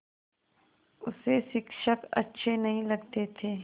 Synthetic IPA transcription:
ʊseʃɪkʃəkɐ̰tːʃʰenɐɦĩlɐɡt̪et̪ʰeː

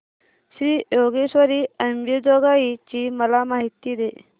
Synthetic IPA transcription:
ɕijoɡeɕʋəɾiːəmbjəd͡ʑoɡait͡ɕiməlamaɦit̪id̪e

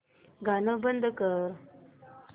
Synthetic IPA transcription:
ɡanəbənd̪əkəɾ

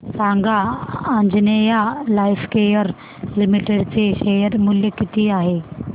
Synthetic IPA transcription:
saŋɡaənd͡ʑnejalajfkejəɾ | limiʈeɽt͡seɕejəɾmuljəkit̪ʰiːaɦe

